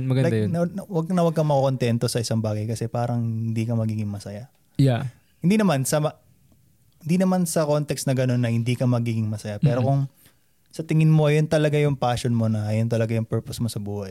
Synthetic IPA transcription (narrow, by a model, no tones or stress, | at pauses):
mɐɡɐd̪anɐɐwɐɡ̚nɐwɐɡ̚kɐmɐkkont̪ɛnt̪o̞sɐʔɪsaŋbaːɡɐjkɐsɛpaːɾɐŋhɪɪnd̪iːkɐmɐɡiːɡɪŋmɐsɐja | ja | hɪnd̪iːnɐmansɐmɐ | hɪnd̪inɐmansɐko̞nt̪ɛksnɐɡɐno̞nːɐhɪnd̪iːkɐmɐɡiːɡɪŋmɐsɐjapɛːɾo̞kʊŋ | sɐt̪ɪŋɪnmo̞ɐjont̪ɐlɐɡajʊŋpaːʃonmo̞nɐjʊnt̪̬ɐlɐɡajʊŋpɛɹposmosɐbuːhɐj